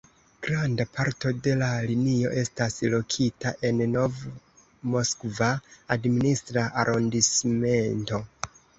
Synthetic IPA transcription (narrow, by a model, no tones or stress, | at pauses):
ɡ̥ɾandapʰaɾto̞de̞lalinio̞̰ʔe̞staslo̞kʰitaʔe̞nno̞v | mo̞skvaːdministɾaʔaɾʔondisme̞nto̞